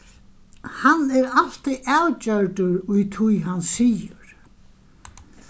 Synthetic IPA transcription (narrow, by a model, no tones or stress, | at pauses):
hanːɛɾal̥t̪iʔawt͡ɕœɾt̪ʏɾʊjt̪ʰujɦanːsiːjʏɾ̥